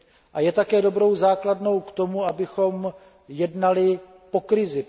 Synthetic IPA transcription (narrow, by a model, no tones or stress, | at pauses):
ʔajɛt̪akɛːdo̞bɾo̞wzaːkladno̞wkt̪o̞muabɪxo̞m | jɛdnalɪ | po̞kɾɪzɪ